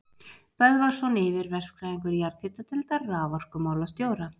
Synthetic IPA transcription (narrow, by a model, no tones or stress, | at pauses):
vɛðvaɾ̥sɔnɪvɪɾvɛr̥kɾaːðiŋkʏɾjaɾðθɪt̪at̪ʰɪlt̪arːaːvɔr̥kʏmaːwlast̪joːwɾa